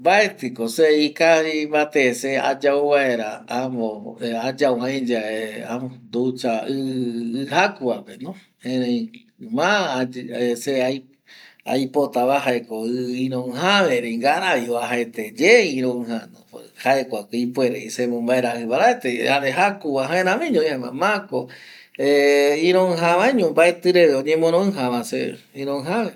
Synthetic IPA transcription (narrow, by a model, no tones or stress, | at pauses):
mbaet̪ɨkoseikahimbat̪esea̰d͡ʒauβaeɾaamõad͡ʒawãj̃d͡ʒaea̰mod̪ut͡ʃaɨɨhakuapenõ | ẽɾẽj̃ | mã | eseaj | a̰jpot̪aβaɦaekoɨĩɾõɨɦaβeɾeiŋɡaɾaβioaɦaet̪ed͡ʒeĩɾõɨ̃hanõhaekʷakɨipweɾeisemõmbaeɾahɨβaɾaet̪ehaɾeɦakuβaɦãẽɾãmĩɲõĩama̰mãkoeĩɾõɨ̃ɦãβaɲõmbaet̪ɨɾeʋeõɲẽmõɾ̃õɨ̃ɦãβãsḛ | ĩɾõɨ̃ɦãβe